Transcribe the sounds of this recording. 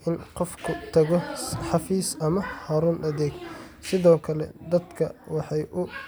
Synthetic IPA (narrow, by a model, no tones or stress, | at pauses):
ʔɪnqɔfkʰʊt̪ʰɐɣɔħɑfiːsɐmɐhɐɾuːnʔɐðɛːɡsɪðɔːkʰɐlɛ̰d̪ɐd̪kʰɐwɑħɑjʔʊ